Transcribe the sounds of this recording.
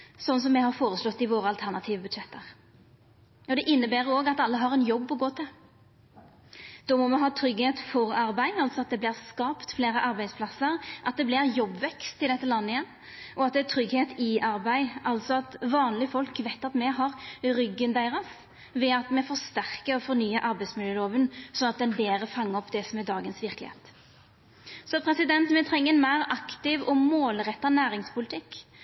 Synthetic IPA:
sɔnːəs̬ɔmːɛhɑɾfoːɾəslɔt̪ːɪʋoːɾəɑlt̪ʰæʁnɑt̪ʰiːʋəbʉd̪ʃɛt̪ʰːəʁ | ɔd̪ɛʔɪnːəbæːɾoːɡɑt̪ɑlːəɦɑʁɛnjɔbːɔɡoːt̪ʰɛ | d̪̥ɔːmɔmɛɦɑːt̪ʰɾʏɡheːt̪fɔɾɑɾbæɪɑlt̪sɔɑt̪̚d̪ɛblɪʁskɑːpt̪fleːɾəʔɑɾbæɪd̪spʰlɑsəɾʔɑt̪̚d̪ɛblɪɾjɔbːʋɛkst̪ʰːɪld̪ɛt̪ːəlɑnːəɪjɛnː | ʔɔɑt̪̚d̪ɛæt̪ʰɾʏɡheːt̪ɪʔɑɾbæɪʔɑlsɔɑt̪ʋɑːnlɪfɔlkʋɛɪt̪ːɑt̪mɛɦɑʁɾʏɡːənd̪æɪʁɑs | ʋɛɑt̪mɛfɔɾst̪æʁkəɾɔfɔɾnyːəʔɑɾbæɪd̪smɪljəːloːʋənsɔnɑt̪̚d̪ɛnbeːɾəfɑŋːəɔpd̪ɛsɔmæd̪ɑːɡənsʋɪɾklɪ̰hḛːt̪ | sɔpʰɾɛsɪd̪ɛnt̪mɛt̪ʰɾɛŋːəɛnmæɪɾɑkt̪ɪʋɔmoːlɾɛt̪ːɑnæːɾɪŋspʰʊlɪt̪ʰɪkː

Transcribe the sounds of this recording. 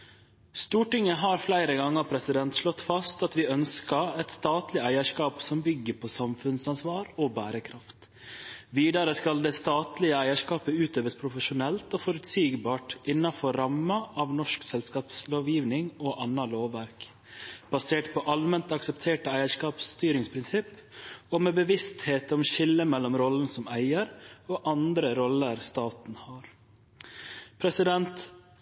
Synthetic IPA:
st̪uːʈɪŋəɦɑːɾflæɪɾəɡɑŋːəɾpʰɾɛsɪd̪ɛnt̪ʂlɔt̪ːfɑst̪ɑt̪ʋɪːœnskɑɛt̪st̪ɑːt̪lɪæɪəʂkɑːpsɔmbʏɡːəpʰɔsɑmfʉnsɑnsʋɑːɾɔbæːɾəkʰɾɑft̪ | ʋiːd̪ɑɾəskɑld̪ɛːst̪ɑːt̪lɪəæɪəʂkɑːpəʉːt̪øːʋəspʰɾʊfəʃʊnɛlt̪oːfɔɾʉt̪siːɡbɑːʈʔɪnːɑfɔɾɑmːəʔɑʋnɔʂksɛlskɑːpsloːʋjiːʋnɪŋoʔɑnɑloːʋæɾk | b̥ɑseːʈpʰɔʔɑlmɛnt̪ɑksɛpt̪ʰeːʈəæɪəʂkɑːpst̪yːɾɪŋspʰɾɪnsɪpːɔːmɛbəʋɪst̪heːt̪ɔmʃɪlːəmɛlːɔmɾɔlən̩sɔmæɪəɾoːʔɑnd̪ɾəɾɔlːəɾst̪ɑːt̪n̩hɑːɾ | pʰɾɛsɪd̪ɛnt̪

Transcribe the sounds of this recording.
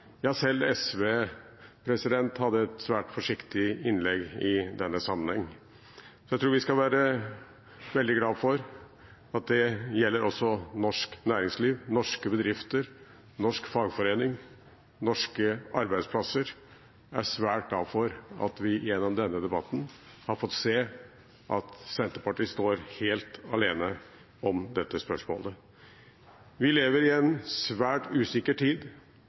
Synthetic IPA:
jɑːsɛlːɛsʋeː | pʰɾɛsɪd̪ɛnt̪hɑd̪ːəɛt̪sʋæːʈfɔʂɪkt̪ɪɪnlɛɡɪd̪ɛnːəsɑmːənhɛŋː | sɔjæɪt̪ɾuːɾʋɪskɑʋæːɾə | ʋɛld̪ɪɡlɑːʋfɔɾ | ɑt̪̚d̪ɛjɛlːəɾʔɔsːɔnɔʂknæːɾɪŋsliːʋnɔʂkəbəd̪ɾɪft̪əɾ | nɔʂkfɑɡfɔɾeːnɪŋ | nɔʂkəɑɾbæɪd̪spʰlɑsəɾ | æ̰ʂʋæːʈ̚d̪æfɔɾɑ̰t̪ʋɪjɛnːɔmd̪ɛnːəd̪ɛbɑt̪ːn̩hɑɾfɔt̪ːseː | ʔɑ̰t̪sɛnt̪əpɑʈiːst̪oːɾheːlt̪ɑleːnə | ɔmd̪ɛt̪ːəspœʂmo̰ːlə | ʋɪleːʋəɾɪɛnsʋæːʈʉːsɪkːəʈʰiːd̪

